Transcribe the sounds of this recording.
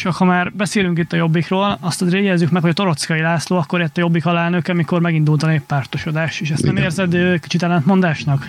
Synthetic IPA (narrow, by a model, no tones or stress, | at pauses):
t͡ʃɒkhɒmaːrbɛseːlyŋkit̪ːɒjo̞bːikroːlɒst̪zɾeːjɛzːykmɛkhoɒt̪o̞ɾo̞t̪skɒilaːsloːɒkːoɾɛt̪ːɒjo̞bːikɒlɛlnø̞kɛɒmiko̞rmɛɡind̪uːlt̪ɒneːppːaːrt̪oʃo̞d̪aːʃt̪eːʃɛst̪nɛmeːrzɛd̪øːki̥t͡ʃit̪ɛlːɛnt̪mo̞nd̪aːʃnɒk